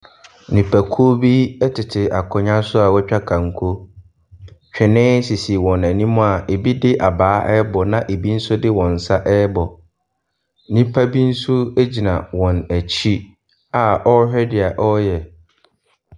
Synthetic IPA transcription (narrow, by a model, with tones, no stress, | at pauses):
nĩ˨pʰæ˨kʰu˦o˦bi˦ɛ˦tʰɪ˨tʰɪ˨ʔa˨kʰɔ˨ɲã˦sʊ˦a˨wɛ˦t͡ɕᶣa˦kʰã˨ŋ̩˨kʰo˦ | t͡ɕᶣɪ˨nɪ̃˦si˨si˨wɔ̃˨næ˨nĩ˦mʊ̃˦a˨ʔe˨bi˦dɪ˦ʔa˨baː˦ʔɛ˦bɔ˨nã˦ʔe˨bi˦n̩˦sʊ˦dɪ˦wɔ̃˨n̩˨sa˦ʔɛ˦bɔ˨ | nĩ˦pʰa˦bi˦n̩˦sʊ˦e˦d͡ʑi˨nã̰˨wɔ̃˨næ˨t͡ɕʰi˦ | a˨ɔ˦hᶣɛ˦dɪ˨a˨ʔɔ˦jɛ˨